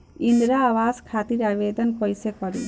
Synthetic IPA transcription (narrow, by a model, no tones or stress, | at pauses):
ind̪ɾaːʋaskʰat̪iɾabed̪ɔnkɔjsekɔɾi